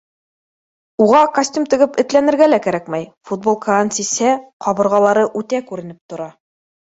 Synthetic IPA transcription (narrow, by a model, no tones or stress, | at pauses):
uʁɑkɐsʲtʲumt̪ɘ̆ɡɘpɘ̆t̪lænɘ̆ɾɡælækæɾækmæjfut̪̚bolˠkʰaansishæqɑβɤ̆ɾʁɑlˠɑɾɤʔʉt̪ækʉɾɘ̆nɘp̚t̪ŏɾɑ